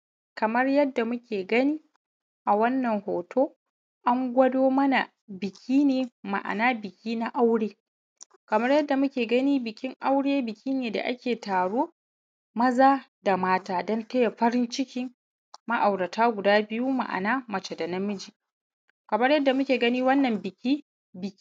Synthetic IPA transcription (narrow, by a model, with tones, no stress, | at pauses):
kɐ˨mɐ˦rjɐ˦dːa˨mʊ˦kʲeː˨ɡɐ˦niː˦ | ʔa˨wɐ˦nːɐ˨ŋhoː˨tʰoː˦ | ʔa˦ŋɡʷɐ˦doː˦mɐ˦na˨ | bɪ˨kʲʰiː˦neː˨ma̰˨ʔa̰˨naː˦bɪ˨kʲʰiː˦na˦ʔa˦wɽeː˦ | kɐ˨mɐ˦rjɐ˦dːa˨mʊ˦kʲeː˨ɡɐ˦niː˦bɪ˨kʲɪ˦ŋʔa˦wɽeː˦bɪ˨kʲiː˦neː˨da̰˨ʔa̰˦kʲeː˨taː˨ɽoː˦ | mɐ˦zaː˦da˨maː˦taː˦dɐ˦ntɐ˦ja˨ɸɐ˦ɾɪ˦nt͡ʃɪ˦kʲɪ˦ŋ | mɐ˦ʔa˨wɽɐ˨taː˦ɡʷʊ˨daː˦bɪ˨ju˦ma̰˨ʔa̰˨naː˦mɐ˨t͡ʃe˨da˨nɐ˦mʊ˦d͡ʒiː˨ | kɐ˨mɐ˦rjɐ˦dːa˨mʊ˦kʲeː˨ɡɐ˦niː˦wɐ˦nːɐ˨mbɪ˨kʲiː˦ | bɪ˨kʲː